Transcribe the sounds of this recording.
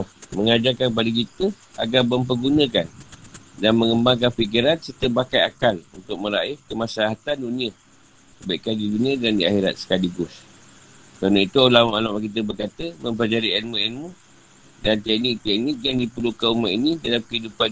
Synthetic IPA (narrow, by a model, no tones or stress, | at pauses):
məŋad͡ʒakanp̬adək̬it̪ə | a̰ɡabəmp̬əɡunə̃kandanməŋəmbaŋkanfik̬iɾansərt̪əbakaja̰kalṵnt̪ʊk̚mə̃ɾaɪfkəmasalaɦat̪andunĩa | baiʔkandiduniadandiaxiɾa̰t̪̚sə̥kaliɡʊs | kəɾanəit̪uolamaʔalaʔak̬it̪̬əbərkat̪əmə̃mp̬əlad͡ʒaɾiɛnmuɛnmu | dant̪ɛk̚nɪk̚t̪ɛk̚nɪk̚jaŋdipəlukaumaʔinidalamkəidupan